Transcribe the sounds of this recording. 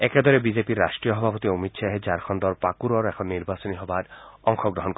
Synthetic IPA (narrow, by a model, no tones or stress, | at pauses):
ɛked̪ʱɔɾebid͡ʑepiɾːaʃʈɾijoɦɔbʱapot̪iomit̪ʃʰaɦed͡ʑaɾkʰɔnd̪ɔɾpakuɾɔɾɛkʰɔnːiɾbasoniɦɔbaɾɔŋxʰɔɡɾɔɦɔnk